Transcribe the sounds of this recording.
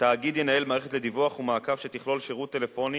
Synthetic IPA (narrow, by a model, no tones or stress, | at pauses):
t̪aːɡid̪je̞nae̞lmaːʁeet̪le̞d̪ivuaχumaːkavʃet̪iχlo̞lʃeʁut̪ːe̞le̞fo̞ni